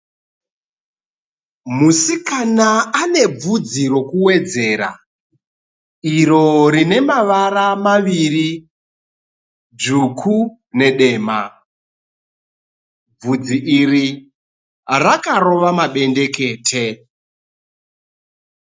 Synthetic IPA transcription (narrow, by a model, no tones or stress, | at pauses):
musikanaane̞b͡vud͡ziɾo̞kuwe̞d͡ze̞ːɾa̰ | iɾo̞ɾine̞maʋaɾamaʋiri | d͡ʒukʰu | ne̞ɗe̞ːma | b͡vud͡ziʔiri | rakaro̞ʋamaɓe̞nde̞ke̞ːtʰe